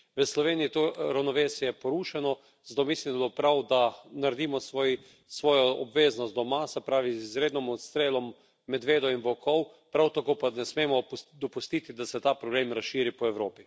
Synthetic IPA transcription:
ʋəslɔʋeːnijit̪oɾawnɔʋeːsijɛpɔɾuːʃɛnɔ | zd̪omislid̪lopɾawd̪anaɾɛd̪iːmɔs | sʋɔːjɔɔbʋeːznɔst̪d̪ɔmasɛpɾaːʋizizɾeːd̪nɔmɔt̪st̪ɾeːlɔmː | ɛd̪ʋeːd̪ɔinbɔkʰɔw | pɾawt̪akoːpanɛsmeːmɔd̪ɔpust̪iːt̪id̪asɛt̪aːpɾɔbleːmɾasʃiːɾipɔɛwɾoːpi

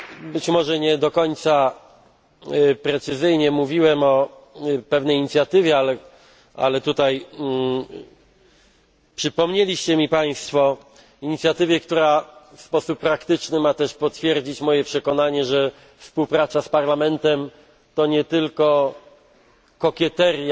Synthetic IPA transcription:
bɘt͡ɕmɔʐɛɲɛd̪ɔkɔɲt̪sa | pɾɛt̪sɘzɘjɲɛmuvʲiwɛmɔ | pɛvnɛjɲit̪sʲjat̪ɘvʲjɛalɛ | a̰lɛt̪ut̪aj | pʂɘpɔmɲelʲiɕt͡ɕɛmʲipaj̃st̪fɔ | iɲit̪sʲjat̪ɘvʲjɛkt̪uɾafspɔsupːɾakt̪ɘt͡ʂnɘmat̪ɛʂpɔt̪fʲjɛɾd͡ʑit͡ɕmɔjɛpʂɛkɔnaɲɛʐɛ | fspuwpɾat̪saspaɾlamɛnt̪ɛm | t̪ɔɲɛt̪ɘlkɔ | kɔkʲɛt̪ɛɾʲj

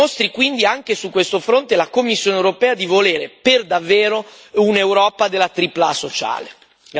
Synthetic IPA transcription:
ost̪ɾikwind̪iaŋk̟esukːwest̪ofɾont̪elakomːisːjoːnewɾopɛːad̪ivoleːɾeperd̪avːeːɾo | unewɾɔːpad̪elːat̪ɾiplasot͡ʃa̰ːle

